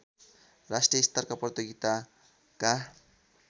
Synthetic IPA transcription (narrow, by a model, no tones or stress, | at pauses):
rasʈijʌist̪arkaprʌt̪joɡit̪a | ka